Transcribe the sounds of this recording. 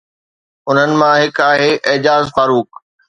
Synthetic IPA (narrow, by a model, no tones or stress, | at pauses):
ʊn̤ənɪ̆mãɦɪkaːɦeːʔɪːd͡ʑaːzfaːɾuːk